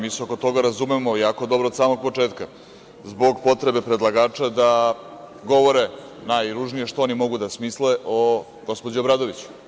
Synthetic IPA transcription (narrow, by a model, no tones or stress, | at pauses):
miseoko̞t̪o̞ɡaɾazumemo̞jaːko̞d̪o̞bɾod̪saːmo̞ɡ̚po̞t͡ʂe̞ːt̪ka | zbo̞ɡpo̞t̪ɾe̞be̞pɾe̞d̪lˠaɡaːt͡ʂad̪a | ɡo̞ʋo̞ɾe̞ | najɾuʐnije̞ʃt̪oonimo̞ɡud̪asmisleʔo | ɡo̞spod͡ʑuobɾaːd̪o̞ʋit͡ɕu̥